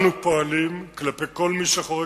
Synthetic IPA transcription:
nupo̞alimklapeko̞lmiʃaχoʁ

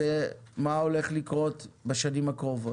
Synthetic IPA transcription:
emaole̞χlikʁo̞tbeʃanimakʁovo

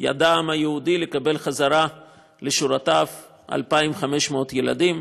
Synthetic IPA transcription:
ja̰damajehudilekabe̞lχazaɾa | le̞ʃuɾatav | ʔa̰lpaimχame̞ʃmot̪jela̰dim

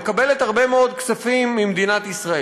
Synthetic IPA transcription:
kabelet̪haʁbemeo̞d̪kt͡safimːimed̪inat̪isʁae

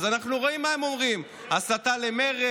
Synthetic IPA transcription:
zanaχnuʁo̞imːaemo̞mʁim | asat̪ale̞me̞ʁe

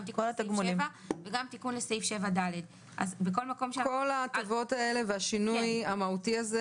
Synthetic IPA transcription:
t̪ikolat̪aɡmulimvaveɡamt̪ikunlesejfʃe̞vadaled | ʔa̰zbeko̞lmako̞mʃeko̞latovo̞tae̞le̞veaʃinujamautiaze

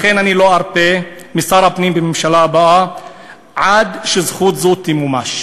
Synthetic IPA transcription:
χenaniloaɾpe | misaɾhapnimbememʃalaːbaa | ʕad̪ʃezχut̪zut̪imumaʃ

